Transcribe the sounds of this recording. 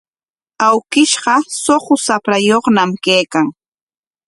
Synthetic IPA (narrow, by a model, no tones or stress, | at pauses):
awkɪʃɢɑsoɢʊsapɾajoχnamkejkaŋ